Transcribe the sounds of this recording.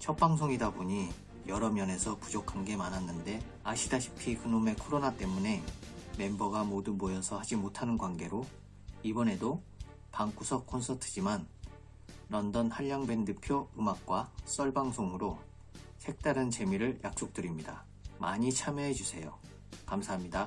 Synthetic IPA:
t͡ɕʰʌp̚p͈aŋsʰoŋidaboɲi | jʌɾʌmjʌne̞sʰʌpud͡ʑokʰanɡe̞manɦanːɯnde̞ | aɕʰidaɕʰi̥pʰikɯnome̞kʰoɾonat͈e̞mune̞me̞mbʌɡamodumojʌsʰʌhad͡ʑimotʰanɯnɡwanɡe̞ɾo | ibʌne̞do | paŋk͈usʰʌkʰonsʰʌtʰɯ̥d͡ʑiman | ɾʌndʌnhaʎːaŋbe̞ndɯpʰjoɯmak̚k͈was͈ʌɭbaŋsʰoŋɯɾo | sʰe̞k̚t͈aɾɯnt͡ɕe̞miɾɯɭjʔak̚s͈ok̚t͈ɯɾimɲida̰ | ma̰ɲit͡ɕʰamjʌɦe̞d͡ʑusʰe̞jo | kamsʰaɦamɲida

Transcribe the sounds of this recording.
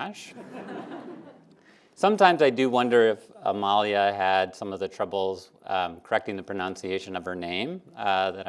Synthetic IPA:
ʃ | sʌ̃mtʰãɪ̃mzaɪdɨwʌ̃ndə˞ɪfə̰mɑlˠiɨɨdsʌ̃mʌvðɨtʰɹ̥ʌbl̩ˠz̥ | kʰə˞ɛk̚tɪ̃ŋðɨpʰɹ̥ɨnʌ̃nsieɪʃɨ̃nʌv̥ə˞nẽɪ̃mðɨɾ

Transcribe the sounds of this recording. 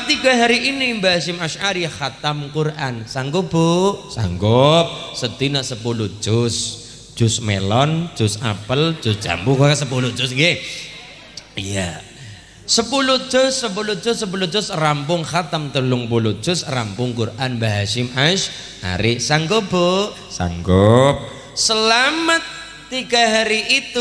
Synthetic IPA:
t̪iɡaɦaɾiʔinimbaɦasɪmaʃaɾixat̪amkurʔansaŋɡoboʔsa̰ŋɡɔp̚səd̪̥inaʔsəpulu̥ʒ̥ʊs | d̥ʒ̥ʊsmelɔnd̥ʒ̥ʊsa̰pəld̥d͡ʒ̥ʊsd̥d͡ʒ̥a̰mbukakasəpulud̥d͡ʒ̥ʊsŋɡe | ija | səpulud̥d͡ʒ̥ʊsːəpulu̥d͡ʒ̥ʊsəp̬ulu̥d͡ʒ̥ʊsrampʊŋxat̪əmt̪əlʊŋpulu̥ʒ̥ʊsrampʊŋkurʔanbaɦaʃɪmʔaʃ | ʔa̰ɾɪsaŋɡob̥o | sa̰ŋɡɔp̚ | səlamət̪ː | iɡ̥aɦaɾiʔit̪u

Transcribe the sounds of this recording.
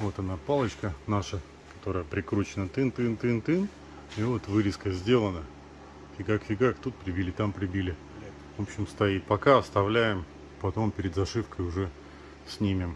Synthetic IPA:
vo̞t̪ɐnapalˠət͡ɕkənaʂə | kɐ̥t̪o̞ɾəjəpɾʲɪkɾut͡ɕɪnət̪ɨnt̪ɨnt̪ɨnt̪ɨn | ivot̪vɨɾʲɪskəzʲdʲe̞lˠənə | fʲɪɡakfʲɪɡakt̪ut̪̚pɾʲɪbʲilʲɪt̪ampɾʲɪbʲilʲɪ | vo̞pɕːɪmst̪ɐit̪̚pɐkaɐst̪ɐvlʲæjɪm | pɐt̪o̞mpʲɪɾʲɪd̪zɐʂɨfkəjʊʐɛ | sʲnʲimʲɪm

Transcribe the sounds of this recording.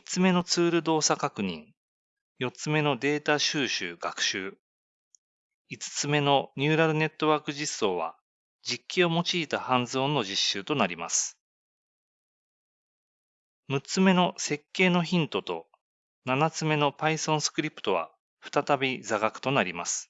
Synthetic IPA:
it͡sɨme̞no̞t͡sɨːɾɯ̟d̪o̞ːsakakɯ̟ɲ̟ḭ̃ŋ | jo̞t͡sɨme̞no̞d̪e̞ːt̪aɕɨːɕɨ̰ːɡ̥akɯ̟̥ɕɨː | it͡sɨ̥t͡sɨme̞no̞ɲ̟ʲɨːɾaɾɯ̟ne̞t̪ːo̞βaːkɯ̟ʑisːo̞ːβa̰ | d͡ʑikʲːio̞mo̞t͡ɕiːt̪ahãnzo̞ːnːo̞ʑiɕːɨːt̪o̞naɾʲimasɨ̥ | mɯ̟t͡sɨme̞no̞se̞kːe̞ːno̞çĩnt̪o̞t̪o̞̰ | nanat͡sɨme̞no̞paisõ̞ɰ̃sɨ̥kɯ̟ɾʲipɯ̥t̪o̞βa̰ | ɸɯ̥t̪at̪abʲid͡zaɡakɯ̟̥t̪o̞naɾʲimasɨ̥

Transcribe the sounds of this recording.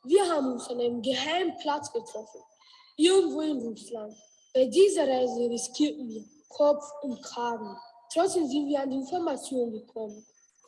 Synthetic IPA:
viɐɦaːbm̩ʊ̃nsɔ̃namɡəɦaɪmpʰlat͡sɡ̥ətɾɔfn̩ | iɡŋ̩voɪnvuslaŋ | b̥aɪdiːzəɾaɪzəɾiskʰit | kʰɔpp͡fʊntkʰaːɡn̩ | tɾ̥ɔt͡ssdemzintviːɐandiɪnfɔɐmat͡sjoːnɡəkʰɔmən

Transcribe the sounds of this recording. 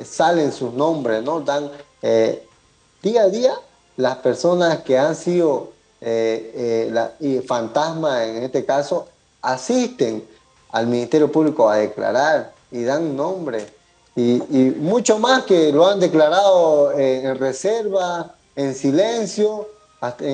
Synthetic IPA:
salensusnõmbɾesnod̪aŋ | e | d̪̥iaðia | laspeɾsonaskeansiðo | eela̰ifant̪asmaeŋest̪ekaso | asist̪eŋ | a̰lmĩnist̪eɾjopuβlikoaðekla̰ɾaɾ | iðaŋnõmbɾes | iːmut͡ʃomaskeloand̪eklaɾaðoeenreseɾβa | ensilẽnsjo | a

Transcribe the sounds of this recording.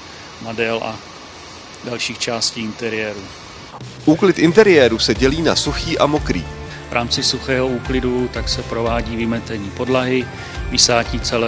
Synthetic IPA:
madɛlʔa̰ | dalʃiːxt͡ʃaːsciːɪnt̪ɛɾɪjɛːɾu | ʔuːklɪt̪ʔɪnt̪ɛɾɪjɛːɾusɛɟɛliːnasuxiːʔamo̞kɾḭː | vɾʔa̰ːmt͡sɪsuxɛːɦo̞uːklɪdut̪aksɛpɾo̞vaːɟiːvɪmɛt̪ɛɲiːpo̞dlaɦɪ | vɪsaːciːt͡sɛlɛ

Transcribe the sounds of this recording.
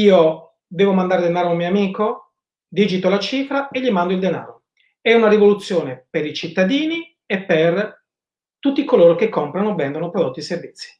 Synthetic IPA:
iːo | d̪ɛːvomand̪aːɾed̪enaːɾoumioamiːko | d̪iːd͡ʒit̪olat͡ʃiːfɾaeʎimand̪oild̪ena̰ːɾo | ɛunaɾivolut̪sːjoːnepeɾit͡ʃit̪ːad̪iːni | epːer | t̪ut̪ːikoloːɾok̟ekːompɾanovɛnd̪onopɾod̪ot̪ːiservit̪sːi̥

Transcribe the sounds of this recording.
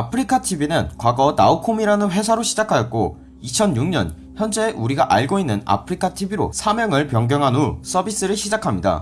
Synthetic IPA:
apʰɯɾikʰatʰibinɯnkwaɡʌna̰ukʰomiɾanɯnɸwe̞sʰaɾoɕʰid͡ʑakʰajʌt̚k͈o | it͡ɕʰʌnjuŋɲʌ̰n | çjʌnd͡ʑe̞ʔuɾiɡaʔaɭɡoinːɯna̰pʰɯɾikʰatʰibiɾo̰sʰamjʌŋɯɭpjʌŋɡjʌŋɦanus͈ʌbis͈ɯɾɯɭɕʰid͡ʑakʰamɲida̰

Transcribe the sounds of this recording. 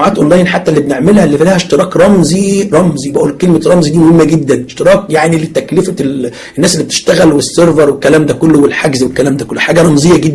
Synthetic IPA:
ʕaːt̪ʔonlæːjnħat̪ːælːibeneʕmelhælːifælæːheʃt̪eɾˤɑːkɾˤɑmziɾˤɑmzibæʔuːlkelmeɾˤɑmzid̪iːmohemːæɡed̪ːænʃt̪eɾˤɑːkjaʕnilet̪æklefæ | ʔenːæːselːibet̪e̥ʃt̪æɣælwesːeɾˤveɾˤwekːælæːmd̪ækolːowelħaɡzwekːælæːmd̪æːkolːoħaːɡæɾˤɑmzejːæɡed̪ː

